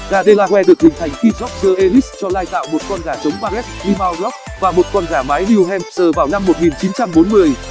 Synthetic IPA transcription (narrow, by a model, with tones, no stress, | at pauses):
ɣaː˨˩ɗe˧laː˧kwɛ˧ɗɨ˨˩ək̚ɗ̪ï˨˩ŋt̪ʰjŋ̟ki˧zɔ˦˥k̚zəː˧ʔe˧li˦˥s̚t͡ɕɔ˧laː˧jt̪a̰ː˧˨wmo˨˩t̚kɔ˧nɣaː˧˩t͡ɕə˨˦wŋ͡mɓaː˧lɛ˦˥s̚li˧maː˧wlɔ˦˥k̚ | vaː˨˩mo˨˩t̚kɔ˧nɣaː˧˩maː˨˦jni˧wɦɛ˧mzəː˨˩vaː˨˩wna˧mːo˨˩t̚ŋi˨˩nt͡ɕi˨˦nt͡ɕa˧mɓo˨˦nmɨ˨˧˩əj